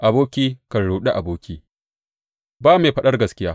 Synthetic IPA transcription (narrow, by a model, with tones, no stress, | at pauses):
ʔa˨boː˦kʲiː˦kɐ˨nɽuː˨ɗe˦ʔa˨boː˦kʲiː˦ | baː˦meː˨ɸɐ˦ɗɐ˦rɡɐ˨skʲɪ˦jaː˦